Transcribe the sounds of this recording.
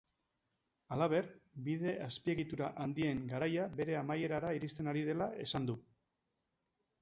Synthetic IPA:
alaβ̞e̞rbið̞e̞ʔaspie̞ɣit̪uɾaʔand̪ie̞ŋɡaɾajabe̞ɾe̞amaje̞ɾaɾaiɾist̪e̞naɾið̞e̞lae̞sand̪u

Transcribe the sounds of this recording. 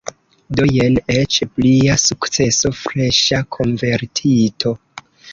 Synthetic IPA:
do̞je̞net͡ʃpliasukt͡se̞so̞fɾeʃakʰo̞nve̞ɾtʰitʰo̞

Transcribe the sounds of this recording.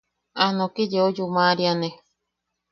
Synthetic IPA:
anõkid͡ʒeod͡ʒumaɾianẽ

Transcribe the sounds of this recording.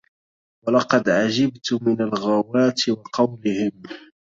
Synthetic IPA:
walɑqɑd̪ʕad͡ʒabt̪ʊmɪnalɣawaːt̪ɪwɑqʰɑwlɪhɪm

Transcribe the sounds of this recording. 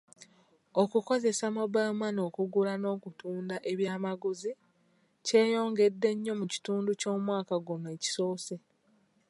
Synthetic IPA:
okuko̞ze̞samabamano̞ːkuɡulano̞ːkutuːndaʔeβjaːmaɡuzi | ce̞ːjo̞ːŋɡe̞dːe̞ɲːo̞muci̥tuːnduco̞ːmwaːkaɡune̞ːci̥so̞ːse̞

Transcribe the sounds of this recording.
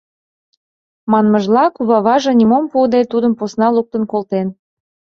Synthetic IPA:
mɑnməʒlɑkuβɑβɑʒɤ̆nʲimompuɤd̪et̪ud̪əmposnɑluk̚t̪ə̆nkolt̪en

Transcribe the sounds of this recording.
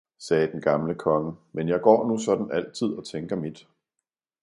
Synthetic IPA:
sɛːd̥enɡ̥ɑ̈mləkʰɒ̽ŋəmenjɑ̈ɪɡ̥ɒ̰ːnusɒ̽d̥n̩æl̰t͡sʰið̞̰ˠɒ̽t͡sʰeŋɡ̥ɐmid̥

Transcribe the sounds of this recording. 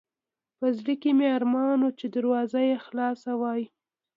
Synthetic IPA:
pəzɽəkemeaɾmɑnot͡ʃed̪aɾwɑzajexlɑsawɑji

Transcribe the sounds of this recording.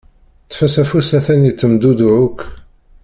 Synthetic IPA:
t͡sːfæsæfusæθænit͡sːəmd̪ud̪ʕʊk

